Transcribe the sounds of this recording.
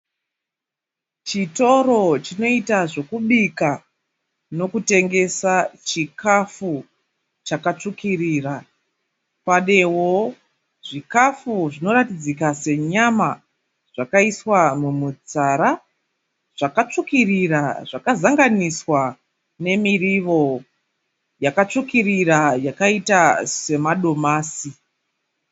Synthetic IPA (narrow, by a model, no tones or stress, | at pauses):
t͡ʃito̞ɾo̞t͡ʃino̞itaʐo̞kuɓika | no̞kute̞ŋɡe̞sat͡ʃikʰafu | t͡ʃakat͡ʂukiriːra | paɗe̞wo | ʐ̥ikafuʐino̞ɾatid͡zikase̞ɲama | ʐ̥akaiswamumud͡zaɾa | ʐ̥akat͡ʂukiriraʐakazaŋɡaniswa | ne̞miriʋo̞ | jakat͡ʂukirirajakaitase̞maɗo̞maːsi